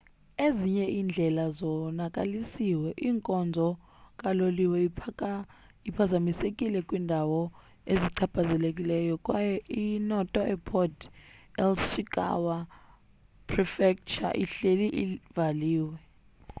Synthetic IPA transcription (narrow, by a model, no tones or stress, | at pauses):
eziɲɛʔiːnd͡ɮʱɛlazɔnakʼalisiwɛʔiːŋkʼɔnd͡zʱɔ | kʼaloliwɛia | ipʰazamisekʼilɛkʼwiːndʱawɔ | eziǀʰab̥ʰʱazɛlekʼilɛjɔkʼwajɛʔinɔtʼɔʔɛpʰɔdʰɛlsikʼa̰wa | pʰrifɛk̚t͡ʃa̰ʔiɬeliʔivaliːwɛ